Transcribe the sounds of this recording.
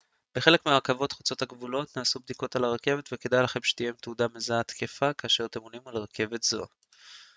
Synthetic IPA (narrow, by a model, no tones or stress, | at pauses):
b̥e̞χe̞le̞kmeaʁkavo̞t̪χu̥t͡so̞t̪haɡvulo̞t̪naːsubd̪iko̞t̪alaʁake̞vet̪veke̞d̪ajlaχe̞mʃe̥t̪ije̞mt̪eudamezaat̪kefakaːʃe̞ʁat̪e̞monimalʁakʰe̞ve̞t̪z̥oa